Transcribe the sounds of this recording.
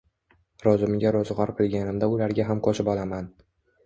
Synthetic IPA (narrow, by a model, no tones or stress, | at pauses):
ɾɒzɪmɡʲaɾɒzʁɒɾqʰɨlˠɡʲanɪmd̪aʊlaɾɡʲaɦamqʰoʃɪpɒlˠaman